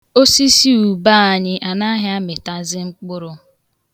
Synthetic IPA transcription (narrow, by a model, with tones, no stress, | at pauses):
o˦si˦si˦u˨ba˦˨a˨ɲɪ˦ʔa˨na˦ɦɪ˦a˦mɪ˨ta˦zɪ˦ŋ͡m̩˦k͡pʊ˦ɾʊ˦